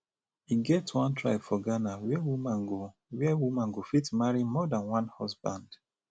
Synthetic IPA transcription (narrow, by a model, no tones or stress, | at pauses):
iɡɛtwãntʰɹaɪbfɔɡanawɛwumãnɡo | wɛwumãnɡofitmaɹimɔdãnwãnhɔsbãnd̥